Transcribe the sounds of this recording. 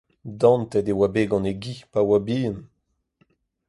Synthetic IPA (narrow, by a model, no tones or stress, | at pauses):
d̪ɑ̃nt̪ɛdewabeɡɑ̃neɡipawabiːən